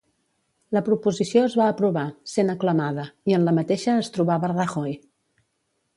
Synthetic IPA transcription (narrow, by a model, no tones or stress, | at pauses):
ləpɾupuzisioəzβaəpɾuβasenəkləmaðəiənləmət̪eʃəːst̪ɾuβaβərəxɔj